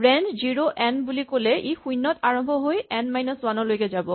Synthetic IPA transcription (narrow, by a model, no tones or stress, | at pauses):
bɹɛndziɹoʔɛnbulikolɛʔejxujnːɔtaɹɔmbʱɔɦojɛnmajnɔswanɔlojkɛzabɔ